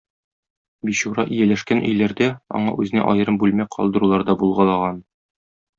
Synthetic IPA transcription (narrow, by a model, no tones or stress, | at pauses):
biɕuɾɑʔijælæʃkænʔɵ̰̆jlæɾd̪æɒ̰ɴɑ̰ʔʉzɘ̆næ̰ʔɒ̰jɤ̆ɾɤmbʉlmæqʰɒ̰lˠd̪ɤ̆ɾulˠɑɾd̪ɑbulˠʁɑlˠɑʁɑn